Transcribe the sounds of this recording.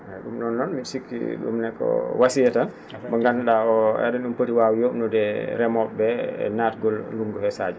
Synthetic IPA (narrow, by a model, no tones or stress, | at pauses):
hɛɗumɗɔnːɔnmisikːḭɗṵmnɛkːɔ̰wasijɛtan | baŋɡanɗaɔɛ̰ɗɛnunpətiwawjɔnɔdɛɾɛmɔbɛɛ̰naːtɡɔlluŋɡɔhɛsa̰d͡ʒ